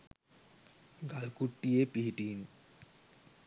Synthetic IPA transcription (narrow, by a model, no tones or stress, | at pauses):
ɡalkuʈːijepiɦiʈiːn